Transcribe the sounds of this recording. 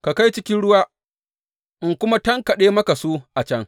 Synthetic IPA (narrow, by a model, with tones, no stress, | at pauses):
ka˨ka˦jt͡ʃɪ˦kʲɪ˦nɽʊ˦waː˦ | ʔɪ˨ŋkʷʊ˦ma˦tɐ˦ŋkɐ˨ɗeː˦mɐ˦ka˨su˦ʔa˨t͡ʃɐ˦ŋ